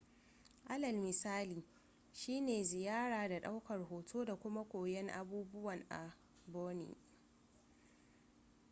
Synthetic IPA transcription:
ʔa˦lɐ˨lmɪ˨saː˦liː˨ | ʃiː˦neː˨zɪ˨jaː˦ɽaː˨da˨ɗa˦wkɐ˨rɦoː˨tʰoː˦da˨kʷʊ˦ma˦kʷoː˨jɛ˦ŋʔa̰˦buː˦bʊ˦wɐ˨ŋʔa̰˨ | boː˦nḭ˨

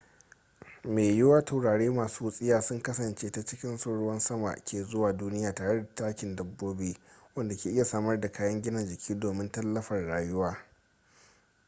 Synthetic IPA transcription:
meː˨jɪ˦waː˦tʰa˨wɽaː˨ɽeː˦maː˨suː˦sʼɪ˦jaː˨sʊ˦ŋkɐ˦sɐ˨nt͡ʃeː˦ta˦t͡ʃɪ˦kʲɪ˦nsʊ˦ɽʊ˦wɐ˦nsɐ˦ma̰˨kʲeː˨zʊ˦waː˨duː˦nɪ˦jaː˨taː˨ɽe˦da˨taː˦kʲɪ˨ndɐ˨bːoː˦beː˦wɐ˦nda˨kʲeː˨ʔɪ˦ja˨saː˦mɐ˦rda˨kaː˦jɐ˦ŋɡʲɪ˦nɐ˨nd͡ʒɪ˨kʲʰiː˦doː˨mɪ˦ntɐ˦lːɐ˦ɸɐ˨rɽaː˨jʊ˦waː˦

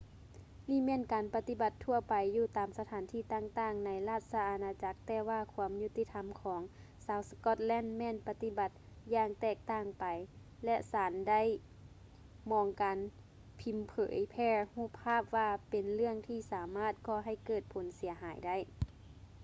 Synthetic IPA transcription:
niː˧˥˩mɛː˧˥˨nkaː˨npa˧t̪i˧˩ba˧t̪ʰːu˧˩ɐpa˨jːuː˧˩t̪aː˨msa˧t̪ʰaː˨˦nt̪ʰiː˧˩t̪aː˧˨ŋt̪aː˧˩ŋna˨˦jlaː˧˩t̪̚sa˧ʔaː˨˧naː˧t͡ɕa˧˦k̚t̪ɛː˧˩waː˧˩kʰu˧əmju˧˩t̪i˧˥t̪ʰa˧˦mkʰɔː˩˦ŋ | saː˧˥wskɔ˧˩t̪̚lɛː˧˥˨nmɛː˧˥˨npa˧t̪i˧˥ba˧˦t̪̚ | jaː˧ŋt̪ɛː˧˩k̚t̪aː˧˥˩ŋpa˨j | lɛ˧ʔsaː˨˦nda˥˨j | mɔː˨˧ŋkaː˨n | pʰi˨˦mpʰɤ̰ː˩˦jpʰɛː˧huː˧˥˨pʰːaː˥˨p̚ʋaː˧pe˨nlɯ˥˩əŋt̪ʰiː˧˩saː˨˦maː˥˩t̪̚kɔː˧ɦa˧˩jkɤː˧˩t̪̚pʰo˨˦nsi˩˦ɐɦaː˩˦jda˥˩˨j

